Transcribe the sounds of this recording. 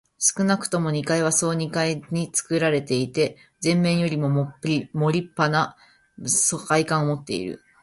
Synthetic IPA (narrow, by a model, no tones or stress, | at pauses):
sɨ̥kɯ̟nakɯ̟̥t̪o̞mo̞ɲ̟ikaiβaso̞ːɲ̟ikaiɲ̟it͡sɨ̥kɯ̟ɾaɾe̞t̪e̞it̪e̞ | zẽ̞mːẽ̞ɰ̃jo̞ɾʲimo̞mʲimo̞ɾʲipːana | sokaikãɰ̃omo̞t̪ːe̞ḭɾɯ̰